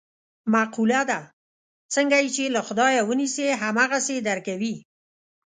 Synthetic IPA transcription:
maqulad̪a | t͡səŋɡajt͡ʃelaxʊd̪ɑjawəniseɦamaɣased̪aɾkawi

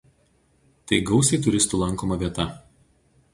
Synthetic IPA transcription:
t̪ɐɪɡɒʊsʲeɪt̪ʊɾʲɪst̪uːlˠɐŋˑkoːmɐʋʲiɛt̪ɐ

